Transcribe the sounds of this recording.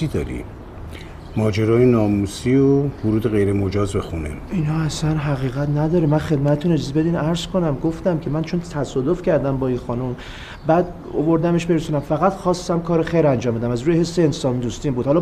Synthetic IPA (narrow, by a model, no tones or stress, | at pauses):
id̪ɒ̰ːɾḭ | mɒːd͡ʒeɾɒːjenɒːmusiovoɾuːd̪eɣe̞jɾemod͡ʒɒːzbe̞xunḛinhɒːæsænɦæɣiːɣæt̪næd̪ɒːɾemænxe̞d̪mæt̪t̪ʰːuned͡ʒizebe̞d̪inæɾz̥kʰo̞næmɡoft̪æmcʰe̞mænt͡ʃʰont̪ʰæsɒːd̪ofcʰæɾd̪æmbɒːinxɒːnum | bæːd̪ | ovoɾd̪æme̞ʃbeɾesunæmfæɣæt̪xɒːst̪æmkʰɒːɾexejɾænd͡ʒɒːmbed̪æmæzɾuːjehe̞sːeːnsɒːmid̪ust̪iːmbud̪hɒl